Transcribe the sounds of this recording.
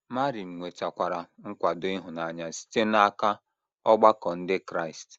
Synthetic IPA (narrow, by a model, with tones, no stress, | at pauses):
ma˦ɾi˨m̩˨ŋʷe˨t͡ʃa˨kʷa˨ɾa˨ŋ̩˦kʷa˨dʊ˦i˦ɦʊ˨na˨ɲa˦si̥˦te˦na˦ka˦ | ɔ˦ɡ͡ba˦kɔ˨n̩˦dɪ˦kɾa˦˨i˨st